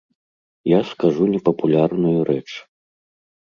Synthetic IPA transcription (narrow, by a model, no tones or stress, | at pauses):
jaskaʐunʲɛpɐpulʲarnujuɾʔɛt͡ʂ